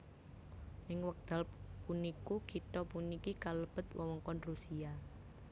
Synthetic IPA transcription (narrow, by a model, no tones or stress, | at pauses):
ʔɪŋwək̚d̪̥a̤lpunikukit̪ɔpunikikaləb̥ə̤t̪̚wɔwɔŋkɔnrusia